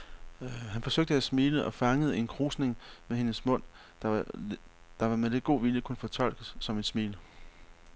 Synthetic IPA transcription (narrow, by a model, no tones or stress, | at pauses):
hænfɒ̽søɡ̥̚d̥əæsmiːləʔɒ̽fɑ̈ŋəð̞̩ˠe̝nkʰʁuːsne̝ŋmehe̝nəsmɔ̽n̰ | d̥ɑ | d̥ɑ̈ʋɑ̈mele̝d̚ɡ̥o̝̰ːʋiljəkʰunəfɒ̽t͡sʰɒ̽l̰ɡ̥əsːɒ̽me̝d̥smḭːlə